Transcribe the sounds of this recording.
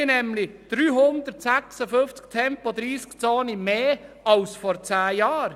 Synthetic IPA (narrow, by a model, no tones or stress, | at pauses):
ɪnɛmlɪd̪̥ɾyːɦʊnd̪əɾtsæksəfʏft͡sktʰɛmpɔd̪ɾiːskt͡soːnimeː | ɑlsfɔɾt͡sæːjɑːɾ